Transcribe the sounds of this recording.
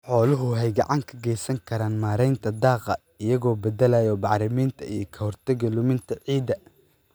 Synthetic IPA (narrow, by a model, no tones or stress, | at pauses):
ħɔːlʊɦʊɦɛjɡɑʕɑŋkʰɐɡɛjsɐŋkʰɐɾaːnmaːɾɛjnt̪ʰɐd̪ɑːqɑ | ɪjɐɣɔːbɐd̪ɐlaːjɔbɑħɾɪmiːnt̪ʰɐijɞkʰɐhɔrt̪ʰɐɡɐlʊmɪnt̪ʰɐʕiːd̪ɐ